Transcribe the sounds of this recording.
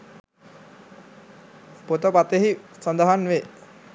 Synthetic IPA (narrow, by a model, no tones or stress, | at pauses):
pot̪əpat̪eɦisand̪əɦanʋe